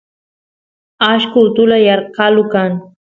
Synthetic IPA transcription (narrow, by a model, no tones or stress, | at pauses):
aʃkʊt̪ʊlajɑɾqɑlʊkaŋ